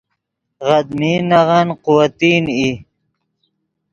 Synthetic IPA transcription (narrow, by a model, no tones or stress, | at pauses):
ʁad̪miːnaʁanqʊwat̪iːni